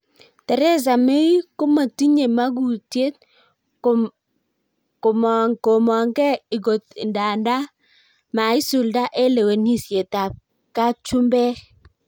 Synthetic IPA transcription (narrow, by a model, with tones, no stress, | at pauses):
tɛ˨ɾe˦z̬a˨me˦i˦ko˦ma˨ti˦ɲe˨ma˦ɡu˨tje˦t̪̚ | kmŋko˨mɔ˨ŋɡɛ˦ɪ˨ɡo˨t̪nda˨nda˦ | ma˨i˦su˨lda˦ʔe˦le˨we˨ni˦sje˨ta˨ | ka˦t͡ʃu˦mbɛ˦